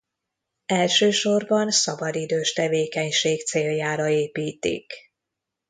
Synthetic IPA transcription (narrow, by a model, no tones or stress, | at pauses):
ɛlʃøːʃo̞rbɒnsɒbɒd̪id̪øːʃt̪ɛveːkɛɲʃeːkt̪seːljaːɾɒeːpiːt̪ḭk